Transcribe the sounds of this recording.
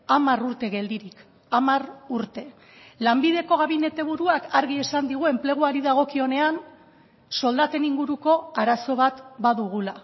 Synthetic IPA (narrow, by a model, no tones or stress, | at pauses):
amaruɾt̪e̞ɣe̞ld̪iɾik | amaruɾt̪e̞ | lambiðe̞ko̞ɣaβine̞t̪e̞β̞uɾuakaɾɣie̞sand̪iɣ̞ue̞mple̞ɣ̞uaɾiðaɣ̞o̞kio̞ne̞an | so̞ld̪at̪e̞niŋɡuɾuko̞aɾaso̞β̞at̪baðuɣ̞ula